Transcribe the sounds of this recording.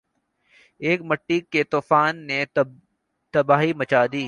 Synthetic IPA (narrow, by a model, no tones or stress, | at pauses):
eːkmɐʈːikːet̪oːfaːnːe | t̪ɐbaːɦimɐt͡ʃaːd̪iː